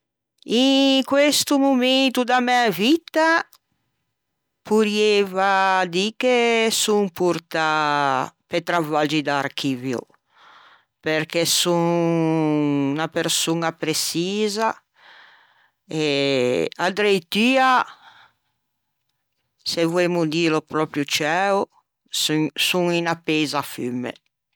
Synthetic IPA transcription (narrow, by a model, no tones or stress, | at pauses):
ikwest̪umument̪ud̪amɛavit̪a | puɾjevad̪ikesuŋpuɾt̪a | pet̪ɾavad͡ʒid̪aːɾk̟iːvjo̰ | peɾkɛsuŋ | napeɾsunapɾesiːza | e | ad̪ɾejt̪ia | sevwemud̪ilopɾɔpɾjut͡ʃɛo | susuŋinapːezafymːḛ